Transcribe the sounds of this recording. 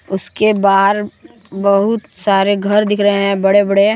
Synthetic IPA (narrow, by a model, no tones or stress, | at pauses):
ʊskebaːɦəɾ | bɐɦʊt̪saːɾeɡʱɐɾd̪ɪkʰɾɐɦeɦɛ̃bɐɽebɐɽe